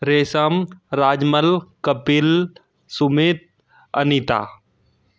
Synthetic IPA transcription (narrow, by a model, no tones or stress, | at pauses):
ɾeːsəmɾaːd͡ʒməlkəpil | sʊmeːt̪̚ | ɐ̰nit̪a̰ː